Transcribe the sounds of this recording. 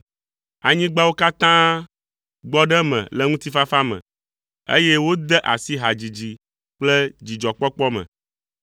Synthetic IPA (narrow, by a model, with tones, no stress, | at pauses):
a˨ɲĩ˦ɡ͡ba˦wo˦ka˦t̪ã˦ | ɡ͡bɔ˦ɖɛ˦mɛ̰̃˨lɛ˦ŋũ˦t̪i˦fa˦fa˦mɛ̰̃˨ | ḛ˦je˦wo˦d̪ɛ˦ʔa̰˨si˦ɦa˨d͡ʑi˨d͡ʑi˨ | k͡plɛ˦d͡ʑi˨d͡ʒɔ˨k͡pɔ˦k͡pɔ˦mɛ̰̃˨